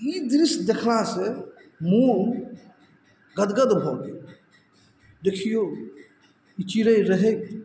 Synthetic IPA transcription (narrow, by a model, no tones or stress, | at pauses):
id̪ɾɪsd̪ekʰlase | mu | ɡəd̪ɡəd̪bʱoːɡe | ɖ̪ekʰijoː | it͡ʃiɾəiɾəɦeɡ